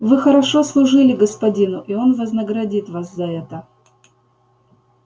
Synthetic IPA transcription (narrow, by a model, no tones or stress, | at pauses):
vɨxəɾɐʂo̞slˠʊʐɨlʲɪɡəspɐdʲinʊʔio̞nvəznəɡɾɐdʲit̪vaszɐɛt̪ə